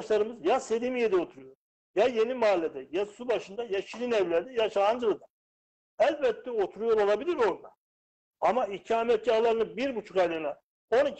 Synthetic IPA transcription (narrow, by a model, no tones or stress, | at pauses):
ʃlˠaɾɯmɯzjaselimijed̪ɛo̞t̪ʰuɾujo̞ɾ | jaje̞nimaːlʲːed̪ɛjasubaʃɯnd̪ajaʃilʲinɛvlʲæɾd̪ɛjaʃaand͡ʒɯlˠɯd̪a | ælʲbɛt̪ʰːɛo̞t̪ʰuɾujo̞ɾolˠabilʲiɾo̞ɾd̪a | amaicʰiamɛt̪̚ɟahlˠaɾɯnɯbiɾbut͡ʃʰukalʲɯna | o̞ni